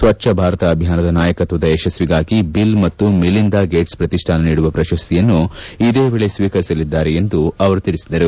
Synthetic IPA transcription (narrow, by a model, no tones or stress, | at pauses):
sʋɐt͡ʃːɐbʱaːɾɐt̪ɐːbʱijaːnɐd̪ɐnaːjɐkɐt̪ʋɐd̪ɐɛʃɐsʋiɡaːɡibilmɐt̪ːumilind̪aːɡe̞ːʈspɾɐt̪iʂʈʰaːnɐniːɽuʋɐpɾɐʃɐst̪ʰijɐnːuid̪e̞ːʋeːɭe̞sʋiːkɐɾisɐlid̪ːaːɾeend̪uɐʋɐɾut̪iɽisid̪ɐɾu